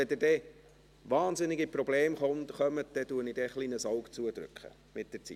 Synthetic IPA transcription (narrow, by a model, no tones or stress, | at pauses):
ɛdɪdɛ | ʋɑːnzɪnɪɡipɾɔbleːmχɔntχœmətd̥̪ɛduənidɛχliːnəsɑʊkt͡suəd̥̪ɾʏ̰kχə̰ | mɪt̚d̥əɾt͡sḭ